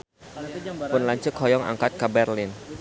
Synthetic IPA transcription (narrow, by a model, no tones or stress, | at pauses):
ʊnlaɲt͡ʃʊkhɔjɔŋa̰ŋkat̪̚kabɛrlɪn